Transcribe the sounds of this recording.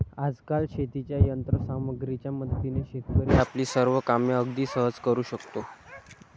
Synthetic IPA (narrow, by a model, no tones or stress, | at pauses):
ad͡zkalɕʰet̪it͡ɕjajənt̪ɾəsaməɡɾit͡ɕjaməd̪ʱt̪ineɕekkəɾiapliːsəɾʋəkamjəəɡd̪iːsəɦəd͡zkəɾuːɕəkt̪o